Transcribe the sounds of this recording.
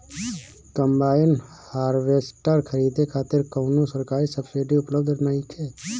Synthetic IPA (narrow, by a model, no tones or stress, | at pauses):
kəmbaːjɪn | haːɾweːsʈəɾkʰəɾiːd̪ekʰaːt̪ɪɾkəʊnõsəɾkaːɾisəbseɖiʊpləb̚d̪naːikʰɛː